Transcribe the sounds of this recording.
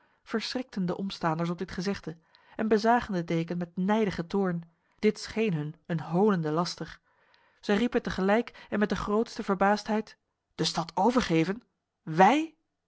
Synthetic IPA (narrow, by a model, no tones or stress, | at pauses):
v̥əɹsrɪk̚təndəʔɔmstaːndəɹs̬ɔb̚dɪtχəzɛχdə | ʔɛnbəzaːχəndədejkənmɛtnɛjdəχətʊːɹn | d̥ɪtsχejnɦɵnənɦowləndəlɑstəχ | z̥ɛjripəntəχəlɛjkɛnmɛt̚dəχrowtstəvəɹbaːstɦɛjt | d̥əstɑtʰowvəɹχejvən | ʋɛj